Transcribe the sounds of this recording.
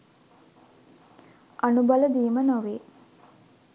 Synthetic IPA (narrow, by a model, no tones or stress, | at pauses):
ʔanubaləd̪iːmənoʋeː